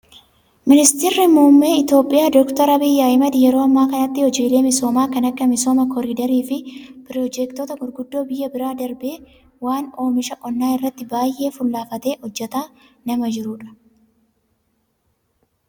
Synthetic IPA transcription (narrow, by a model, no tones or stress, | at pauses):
mɪnɪst̪ɪrːɪmumːe̞ːɪt̪jo̞ːpʼːɪjaːd̪ɔkt̪ɐɾɐbɪjːaːɪmɐd̪ɪjɛɾo̞ːɐmːaːkɐnɐt̪ːɪhɔd͡ʒiːle̞ːmɪso̞ːmaːkɐnɐkːɐmɪsoːmɐkɔɾid̪ɐɾiːfɪpɪɾɔd͡ʒɛkt̪oːt̪ɐɡʊɾɡʊd̪ːo̞ːbɪjːɐbɪɾaːd̪ɐɾbe̞ː | waːno̞ːmɪʃɐʔʼɔnːaːɪrːɐt̪ːɪbaːjʔːe̞ːfʊlːaːfɐt̪e̞ːhɔd͡ʒːɛt̪aː | nɐmɐd͡ʒɪɾʊᶑɐ̥